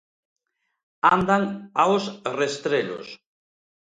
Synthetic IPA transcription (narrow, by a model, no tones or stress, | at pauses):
and̪aŋawsrest̪ɾeʎo̰s